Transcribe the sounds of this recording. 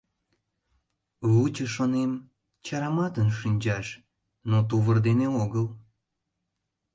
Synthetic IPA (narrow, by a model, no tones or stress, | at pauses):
βut͡ɕəʃonem | t͡ɕɑɾɑmɑt̪ənʃinʲt͡ɕɑʃ | not̪uβərd̪eneoɣəl